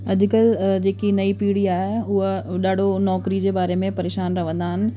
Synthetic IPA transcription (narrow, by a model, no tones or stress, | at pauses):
ɐd͡ʑɪkəld͡ʑeːkinɐipiːɽiaːɦeʊɦəɗaːɖ̤ʱonɔːkɾid͡ʑeːbaːɾemẽpɐɾeːʃaːnɾɐʋ̤ə̃nd̪aːɦɪnɪ̆